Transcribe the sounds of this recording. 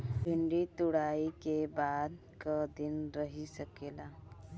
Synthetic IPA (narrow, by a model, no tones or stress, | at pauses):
bʱiɳɖit̪uɽaikebad̪ | kəd̪inɾəɦisəkela